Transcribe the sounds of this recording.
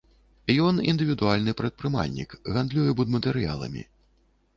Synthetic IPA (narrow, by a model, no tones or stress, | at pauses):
jɔnḭnd̪ɨvʲid̪ualʲnɨpɾɐt̪̚pɾɨma̰lʲnʲḭkɣand̪lʲujɛbud̪mɐt̪ɛɾɨja̰lˠɐ̰mʲḭ